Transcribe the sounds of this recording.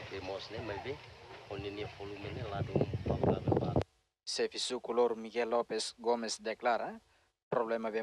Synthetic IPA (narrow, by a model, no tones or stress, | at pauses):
bemosnemajbeoneniefolumeneladumbalɡadebat̪ | sefisukuloɾmiɡelːopesɡomesd̪eklaɾa | pɾoβlemaβe